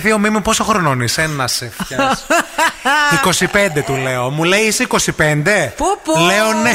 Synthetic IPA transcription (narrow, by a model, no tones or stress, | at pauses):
θio̞mimipo̞soxɾononisenɐsefçɐs | iko̞sipe̞nd̪e̞t̪ule̞o̞mule̞iiseiko̞sipe̞nd̪e̞leone